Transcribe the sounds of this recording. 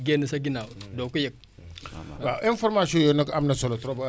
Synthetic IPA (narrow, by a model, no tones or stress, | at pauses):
ɡenisaɡinawdokujɛk̚ | baʔĩnfɔɾmasiõjonakamnasɔlotɾoba